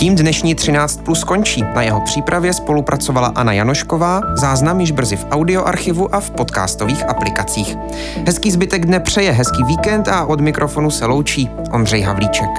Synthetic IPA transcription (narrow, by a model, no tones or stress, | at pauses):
ciːmdnɛʃɲiːt̪r̝̥ɪnaːt͡st̪̚plusko̞ɲt͡ʃiːnajɛɦo̞pr̝̥iːpɾavjɛspo̞lupɾʔat͡so̞vala̰ʔanajanoʃko̞vaːzaːznamjɪʒbr̩zɪfʔawdɪo̞ʔaɾxɪvuʔafpo̞t̪ka̰ːst̪oviːxʔaplɪkat͡siːx | ɦɛskiːzbɪt̪ɛɡdnɛpr̝̥ɛjɛɦɛskiːviːkɛnt̪aʔo̞dmɪkɾʔo̞fo̞nusɛlo̞wt͡ʃiː | ʔo̞nd̪rɛjɦa̰vliːt͡ʃɛk